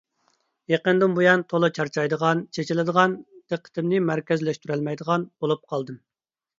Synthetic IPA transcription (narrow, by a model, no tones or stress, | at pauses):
jeqənd̪ɨmbujɑnt̪ʰolˠɨt͡ʃʰɑɾt͡ʃʰɑjd̪əʁɑnt͡ʃʰet͡ʃilɨd̪əʁɑnd̪̥əqʰːə̥t̪ɪmnɪmæɾkʲɛzlɛʃt̪ʰyɾɛlmɛjd̪əʁɑnb̥olˠup̚qʰɑlˠd̪ɨm